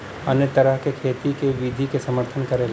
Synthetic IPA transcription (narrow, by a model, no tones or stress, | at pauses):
ɐnjət̪ɐɾəɦkekʰeːt̪ikeʋiːd̪ʱikesɐməɾt̪ʰənkɐɾel